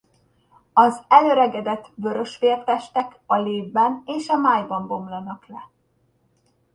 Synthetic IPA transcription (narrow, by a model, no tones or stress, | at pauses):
ɒzɛløɾɛɡɛd̪ɛt̪ːbø̞ɾø̞ʃfeːrt̪ɛʃt̪ɛkɒleːvbɛneːʃɒmaːjbɒmbo̞mlɒnɒklɛ